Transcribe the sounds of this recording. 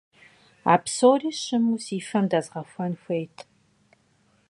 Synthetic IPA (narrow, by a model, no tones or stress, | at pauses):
a̰ːpsoːriːʃɨmusiːfɐmdɐzʁɐxʷɐnxʷejtʰ